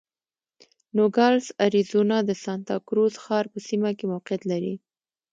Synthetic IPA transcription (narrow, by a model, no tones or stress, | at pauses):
noɡɑlsaɾizonɑd̪əsɑnt̪ɑkɾozxɑɾpəsimakemawqjat̪laɾḭ